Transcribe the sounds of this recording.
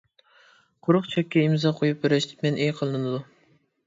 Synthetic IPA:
qʰoɾʊχt͡ʃʰɛkʲːɛimzɑqʰojupveɾɛʃt̪ʰɪ̥pmɛnʔejqʰəlˠɨnɨnɨd̪u

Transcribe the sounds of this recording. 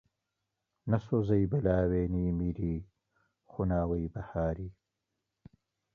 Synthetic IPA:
nɐsozɐjbɐlaːweːnimiɾi | xunaːwɐjbɐhaːɾi

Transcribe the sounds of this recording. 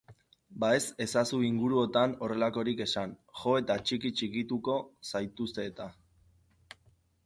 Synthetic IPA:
bae̞se̞sasuiŋɡuɾuo̞t̪ano̞re̞lako̞ɾike̞sanxo̞e̞t̪at͡ʃikit͡ʃikit̪uko̞sajt̪ust̪e̞ːt̪a

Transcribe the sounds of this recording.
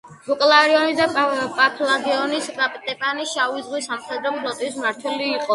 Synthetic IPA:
bukʼlaɾiɔnisd̪apʼapʰlaɡiɔnisɾʼapʼt̪ʼɛpʼaniʃavizʁwisamχɛd̪ɾɔpʰlɔt̪ʼismaɾt̪ʰwɛliːqʼɔ

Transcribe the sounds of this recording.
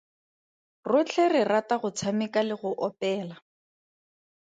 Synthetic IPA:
rʊt͡ɬʰɛrɪrataɣʊt͡sʰamɪkalɪɣʊʔɔpɛːla

